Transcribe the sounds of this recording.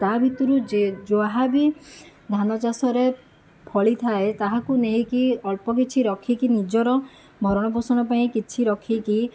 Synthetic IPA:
t̪abʱit̪ɔɾud͡ʒoaɦabi | d̪ʱanɔt͡ʃasɔɾe | pʰɔɭit̪ʰaet̪aɦakuneɦĩkiɔɭpɔk̬it͡ʃʰiɾɔkʰikinid͡ʒɔɾɔ | mʱɔɾɔɽ̃ɔbusɔɽ̃ɔpaĩkit͡ʃʰiɾɔkʰiki

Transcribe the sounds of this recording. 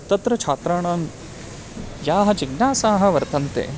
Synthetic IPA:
t̪ɐt̪ɾɐt͡ʃʰaːt̪ɾaːɳaːn | jaːɦɐ̆d͡ʒiɡnaːsaːɦɐ̆ʋɐɾt̪ɐnt̪ḛː

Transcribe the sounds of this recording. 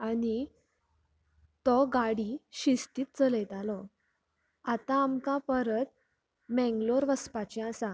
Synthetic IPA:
ani | t̪ɔɡaɽiɕist̪iːt̪̚t͡sələjt̪alɔ | at̪aːmkapəɾət̪̚ | mɛ̃ŋɡloɾʋəspat͡ɕiasa

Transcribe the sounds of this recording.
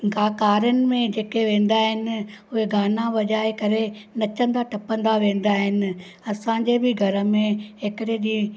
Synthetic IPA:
ɡaːkaːɾjənɪ̆mẽd͡ʑeːkeʋẽːn̆d̪aːɦɪnɪ̆ʊɦeɡaːnaʋɐʄaːekɐɾenɐt͡ɕə̃nd̪aʈɐpə̃nd̪aʋẽːn̆d̪aːɦɪnɪ̆ | ɐsãd͡ʑebɪɡʱɐɾə̆mẽɦekɪɽeɗiː

